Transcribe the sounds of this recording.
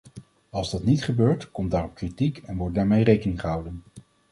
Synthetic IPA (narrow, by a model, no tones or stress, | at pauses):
ɑlˠzdɑtnitχəbøːɹtkɔmtdaːrɔp̚kritikɛnʋɔɹt̚daːɹmejrejkənɪŋχəɦʌwdən